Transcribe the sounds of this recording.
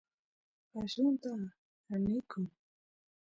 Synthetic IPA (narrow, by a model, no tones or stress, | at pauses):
paʃʊnt̪a | anɪkʊŋ